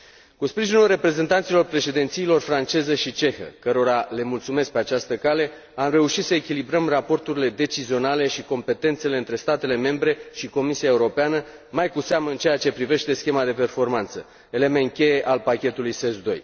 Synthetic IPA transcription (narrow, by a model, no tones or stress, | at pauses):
kuspɾiʒinulre̞pɾe̞ze̞nt̪ant̪silo̞rpɾe̞ʃe̞d̪int̪siːlo̞rfɾant͡ʃe̞zeʃit͡ʃe̞xə̰kəɾo̞ɾale̞mult̪sume̞sk̚pe̞at͡ʃast̪əkale̞ | amre̞uʃit̪səekʲilibɾəmrapo̞rt̪uɾile̞d̪e̞t͡ʃizio̞nale̞ʃiko̞mpe̞t̪e̞nt̪se̞leɨnt̪ɾe̞st̪at̪e̞le̞me̞mbɾe̞ʃiko̞misiae̞uɾo̞peanə | majkuseaməɨnt͡ʃe̞jat͡ʃe̞pɾive̞ʃt̪e̞skʲe̞mad̪e̞pe̞rfo̞rmant̪sə | e̞le̞men̚kʲe̞je̞ʔalpakʲe̞t̪ulujsesd̪o̞̰j